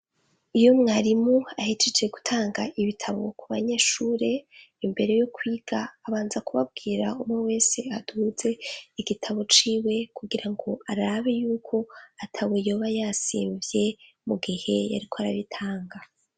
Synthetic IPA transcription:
ijo̞mŋaɾimoahit͡ʃed͡ʒe̞ɡu̥tʰaːŋɡaʔiβitʰaβo̞kuβaɲe̞ːʃuɾe̞ | imbe̞ɾe̞jo̞kʰwiːɡ̥aːβaːnzakuβab̚ɡiːɾaumŋewe̞ːse̞ad̥ud͡ze̞iɡitʰaβo̞t͡ʃiːwe̞kuɡiɾaŋɡo̞aɾaβejuːkʰo̞atʰaβwejo̞ːβajasḭːɱvje̞ | muɡihe̞ja̰ɾikʰoaɾa̰βitʰaːŋɡa

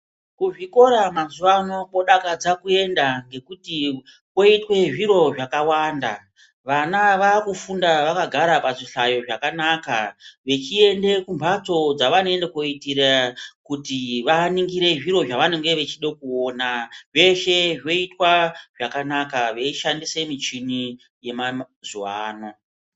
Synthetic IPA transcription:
kuʐiko̞ɾamazuʋano̞po̞ɗakad͡zakue̞ndaŋɡe̞kuti | ko̞itwe̞ʐiɾo̞ʐakawaːnda̰ | ʋanaʋaːkufundaʋakaɡʱaɾapaʐiɬajo̞ʐakanakaʋe̞t͡ʃie̞nde̞kumbʱat͡so̞d͡zaʋano̞endekoitiɾakutiʋaniŋɡiɾe̞ʐiɾo̞ʐaʋaneŋɡe̞ʋe̞t͡ʃiɗokuonaʐe̞ʃe̞ʐo̞itwaʐakanakaʋe̞iʃandise̞mit͡ʃini | je̞ma | zuaːno̞

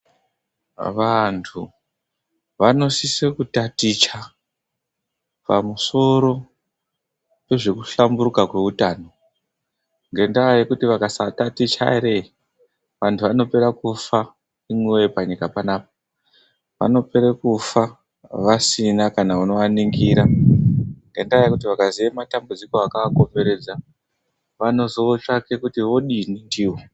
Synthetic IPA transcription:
ʋantʰu | ʋano̞sisekutatit͡ʃa | pa̰muso̞ɾo̞ | pe̞ʐe̞kuɬambuɾukakwe̞utaːno̞ | ŋɡe̞ndaaje̞kutiʋakasatatit͡ʃa̰eɾe | ʋantʰuʋano̞pe̞ɾakufa | imwewepaɲikapanaːpḁ | ʋa̰no̞pe̞ɾekufa | ʋasinakanauno̞aniŋɡiːɾa | ŋɡe̞ndaajekutiʋakaziematambud͡ziko̞akaako̞mbe̞ɾe̞d͡za | ʋano̞zoʋot͡ʂake̞kutiʋo̞ɗinindiːwo̞

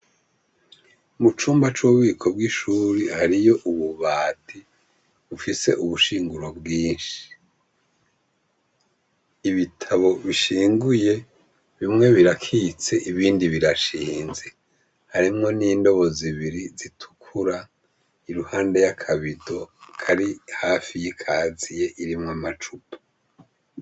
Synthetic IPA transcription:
mut͡ʃuːmbat͡ʃuβiːkʰo̞b̚ɡiʃuːɾihaɾijo̞ʔuβuβaːtʰi | βufise̞ʔuβuʃiːŋɡuɾobɡiːnʃi̥i̥ | βitʰaβo̞βiʃiːŋɡuje̞ | βimŋe̞βiɾakʰit͡se̞ʔiβiːndiβiɾaʃiːnze̞ | haɾimŋo̞niːndo̞βo̞ziβiɾizitʰu̥kʰuɾa | iɾuhaːndejakʰaβido̞kʰaɾihaːfijikʰaːzije̞ʔiɾimŋamat͡ʃupo̥

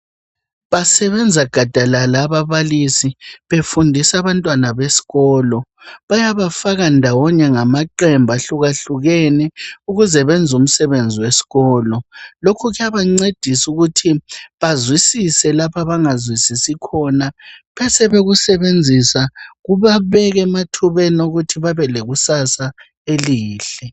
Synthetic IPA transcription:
βasɛβɛnd͡zʱaɡ̥ʱad̥ʱalalaːβaβalisiβefundʱisaβantʼwanaβesi̥ɣɔlɔ | βajaβafaɣandʱawɔɲɛŋamaǃɛmbʱaɬuɣaɬuɣɛnɛuɣuzɛβɛnd͡zʱum̩sɛβend͡zʱiwesi̥ɣɔːlɔlokʰuɣujaβaŋ͡ǀed̥ʱisuɣutʰiβazwisisɛlapʰaβaŋazwisisikʰɔnapʰɛsɛβeɣusɛβend͡zʱisaɣuβaβɛɣɛmatʰuβɛnoɣutʰiβaβɛleɣusasa | eliːɬɛ

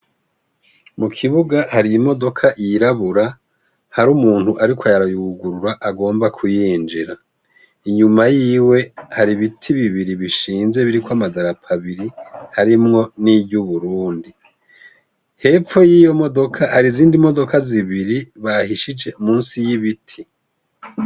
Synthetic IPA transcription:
mukʰiβuɡahaɾiimo̞do̞kʰaʔjiɾaβuɾa | haɾumuːn̥huʔaɾikʰajaɾajuɡuɾuɾaʔaɡo̞ːmbakʰujiːnd͡ʒiɾa | iɲumajiːwe̞haɾiβitʰiβiβiɾiβiʃiːnze̞βiɾikwamadaɾapʰaβiɾihaɾimŋo̞nibjuβuɾuːndi | he̞p͡ffo̞jiːjo̞mo̞do̞kʰahaɾiziːndimo̞do̞kʰaziβiɾiβahiʃid͡ʒe̞muːnsijiβitʰi

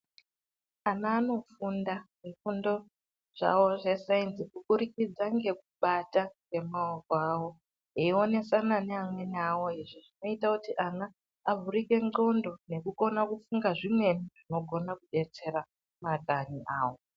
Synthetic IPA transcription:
anaːno̞fundaʐifundo̞ | ʐ̥a̰wo̞ʐe̞sainsikukuɾikid͡zaŋɡe̞k̚uɓataŋɡe̞maokoaːwo̞ | eio̞ne̞sananeamwe̞nawo̞iʐiʐino̞itakutiʔanaː | vʱurike̞ŋo̞ndo̞ne̞kuko̞nakufuŋɡaʐimwe̞niʐino̞ɡʱo̞nakuɗe̞t͡se̞ra | mataniʔaːwo̞

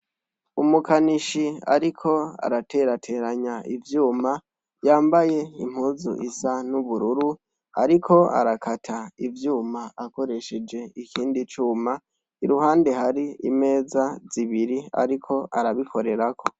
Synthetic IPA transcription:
umukaniʃia̰ɾikʰo̞a̰ɾateɾatʰe̞ɾaɲaivjuːma | jaːmbaje̞ḭm̥huːzṵʔisanuβuɾuɾu | a̰ɾikʰo̞a̰ɾakʰatʰaivjuːmaako̞ɾe̞ʃe̞d͡ʒe̞ikʰiːndit͡ʃuːma | iɾuɦaːnde̞haɾiḭme̞ːzaziβiɾia̰ɾikʰo̞ʔaɾaβikʰo̞ɾe̞ɾakʰo̞

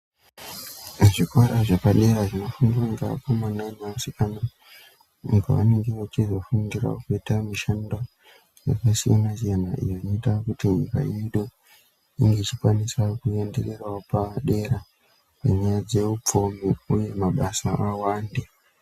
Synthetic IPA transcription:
ʐikoɾaʐepaɗe̞raʐino̞fanɡiraŋɡa̰pamanaimasikana | uŋɡa̰ʋa̰ne̞ŋɡe̞ʋat͡ʃizo̞fundira̰kuitamiʃando | ja̰kasijanasianaʔḭjonoitakutiɲika̰iiɗo | iŋɡeit͡ʃikwanisakue̞ndere̞rwaopaɗe̞ɾa | paɲajad͡ze̞up͡fomiuje̞maɓasaʔawaːnde

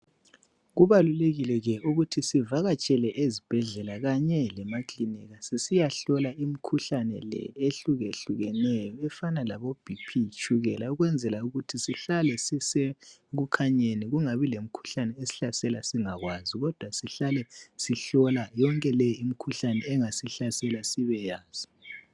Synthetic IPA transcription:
ɣuβaluleɣilɛɣɛuɣutʰisivaɣat͡ʃʼɛlɛʔezib̥ʱɛɮɛlaɣaɲɛlɛmakliniɣasisijaɬɔlaimikʰuɬanɛ̰lɛ̰eɬuɣeɬuɣɛnɛjɔɛfanalaβob̥ʱipʰit͡ʃʼʰuɣɛlauɣwɛnd͡zʱɛlauɣutʰisiɬalɛsiseɣukʰaɲeniɣuŋaβilem̩kʰu̥ɬanɛesi̥ɬasɛlasiŋaɣwaziɣɔd̥ʱwasiɬalɛsiɬɔlajɔŋkʼɛlɛjim̩kʰuɬanɛːŋasiɬasɛlasiβɛjaːz̥i

